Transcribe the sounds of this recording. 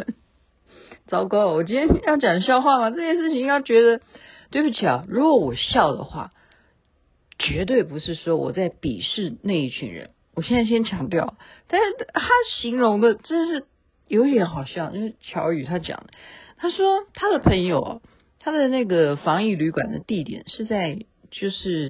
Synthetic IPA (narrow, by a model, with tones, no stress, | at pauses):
t͡sɑ˨˥˩ʊkɑ˥ʊ˨˩wɔ˨˩t͡ɕi˥nʰjɛ˥nɛ˥jʊt͡ɕjɑ˨˩ŋə˧˦ɕjɑ˥˧ʊxwa˥˩mɐ˨˩ʈ͡ʂɤ˥˧t͡ɕʰjɛ˥˧nʂ̬ɻ̩˥˩t͡ɕʰi˨˧˥t͡ɕɥɛ˧˥d̪ə˧ | t̪we˥˩ɪbu˧˩t͡ɕʰi˨˩ɐ̰˨˩ɻu˧˥ɡwɔ˧˦wɔ˨˩ɕjɑ˥˩ʊd̪ə̰˩xwa̰˥˩ | t͡ɕɥɛ˧˥t̪̬we˥˩ɪpu˧˥ʂɻ̩˥˩ʂwɔ˥wɔ̰˨˩t͡sa˥˩ɪpḭ˨˩ʂɻ̩˥˧ne˥˧ɪi˥˩t͡ɕʰy̰˧˥nɻə̰˧˦n | wɔ˨˩ɕjɛ˥˧nt͡sa˥˧ɪɕjɛ˥nt͡ɕʰjɑ˧˥ŋt̪jɑ˥˩ʊt̪a˥˧nʂɻ̩˥˩t̪ʰa˥ɕi˧˥ŋɻʊ˧˥ŋd̪ə˧ʈ͡ʂə˥˧ʂɻ̩˥˩ | jo˧˥ʊi˥t̪jɛ˧˥nxɑ˨˩ʊɕjɑ˥˩ʊt͡ɕjo˥˧ʊʂ̩˥˩t͡ɕʰjɑ˧˥ʊy˨˩t̪ʰa˥t͡ɕjɑ̰˨˩ŋd̪ə˦t̪ʰa˥ʂwɔ˥t̪ʰa˥d̪ə˨pʰə˧˥ŋjo˨˩ʊɐ̰˩˦ | t̪ʰa˥d̪ə˨na˥˩ɡə˩fɑ˧˥ŋi˥˩ly˧˥kwa̰˨˩nd̪ə̰˦t̪i˥˩t̪jɛ̰˨˩˦nʂɻ̩˥˧t͡sa˥˧ɪ | t͡ɕjo˥˧ʊʂɻ̩˥˩